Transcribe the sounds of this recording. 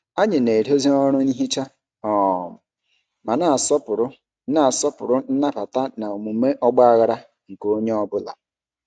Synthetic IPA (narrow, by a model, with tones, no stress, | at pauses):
a˦ɲɪ˨ne˨ɾi˦o˦zi˦ɔ˦ɾʊ˦ni˦ɦi˦t͡ʃa˦ | ɔ˨mʊ˨ | ma˨na˦˨sɔ˦pʊ˨ɾʊ˦ | na˨sɔ˦pʊ̰˨ɾʊ˦n̩˦na˦pa˨ta˦na˨o˨mu˨me˦ʔɔ˦ɡ͡ba˦a˦ɣa˦ɾa˦ | ŋ̩˨ko˦ɲe˦ɔ˦bʊ˦la̰˨